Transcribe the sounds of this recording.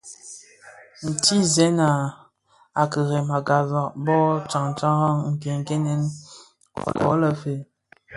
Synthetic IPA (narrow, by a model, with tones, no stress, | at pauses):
n̩˨ti˦zɛ˨˦na˨ | a˨kə˨ɣe˨ma˨ɡa˨za˨ʔbɔ˦t͡ʃa˨ŋ˨t͡ʃa˦ha˦ŋm̩˨pje˨ŋ˨ke˦nɛ˦n̰˨ | kɔ̰˨˦lə˨fe˨